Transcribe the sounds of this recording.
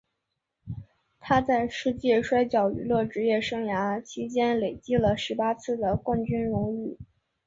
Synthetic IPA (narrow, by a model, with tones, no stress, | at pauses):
t̪ʰa˥t͡sa˥˧ɪʂɻ̩˥˧t͡ɕjɛ˥˩ʂwa˥ɪt͡ɕjɑ˨˩ʊy̰˧˩˥lɤ˥˩ʈ͡ʂɻ̩˧˥jɛ˥˩ʂɤ˥ŋja˧˥t͡ɕʰi˧˥t͡ɕjɛ˥nle˨˩ɪt͡ɕi˥lə˨˩ʂɻ̩˧˥pa˥t͡sʰɹ̩˥˩d̪ə˩kwa˥˩nt͡ɕy˥nɻʊ˧˥ŋy˥˩